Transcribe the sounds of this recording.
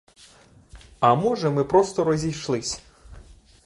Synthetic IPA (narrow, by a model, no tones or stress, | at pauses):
ɐmɔʐɛmɨpɾɔst̪ɔɾɔzʲijʂlˠɪsʲ